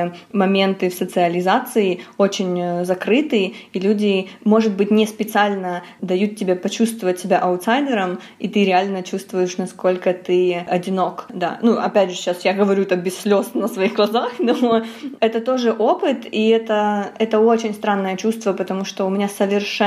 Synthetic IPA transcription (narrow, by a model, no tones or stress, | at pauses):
mɐmʲent̪ɨfsət̪sɨɐlʲɪzat̪sɨɪo̞t͡ɕɪnʲzɐkɾɨt̪ɨɪilʲudʲɪmo̞ʐɨt̪̚bɨtʲnʲɪspʲɪt̪sɨalʲnə | d̪ɐjut̪̚tʲːɪbʲepɐt͡ɕust̪vəvətʲːɪbʲaʔɐʊt̪sajd̪ʲɪɾəm | it̪ɨɾʲɪalʲnət͡ɕust̪vʊjɪʂnɐsko̞lʲkət̪ɨɐdʲɪno̞kd̪a̰nuɐpʲædʲʐɨɕasjaɡəvɐɾʲut̪əbʲɪsːʲlʲo̞snəsvɐixɡlˠɐzaxnoɛt̪ət̪o̞ʐɨʔo̞pɨt̪iɛt̪əɛt̪əo̞t͡ɕɪnʲst̪ɾanːəjət͡ɕust̪vəpət̪ɐmuʂt̪oʊmʲɪnʲasəvʲɪrʂɛ